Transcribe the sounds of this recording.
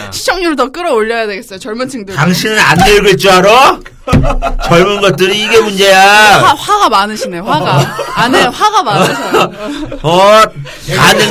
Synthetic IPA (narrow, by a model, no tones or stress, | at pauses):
ɕʰi̥t͡ɕʰʌŋɲuɾɯtʌk͈ɯɾʌoʎːʌjadwe̞ɡes͈ʌjot͡ɕʌɭmunt͡ɕʰiŋdɯɾtaŋɕʰinɯnanːeɾɡɯɭt͡ɕ͈iaɾʌ | t͡ɕʌɭmunɡʌt̚t͈ɯɾiːɡe̞mund͡ʑe̞jaaɸwaɡamanɯɕʰineoɸwaɡaːneɸwaɡamaɯɕi | ʌ | anɯ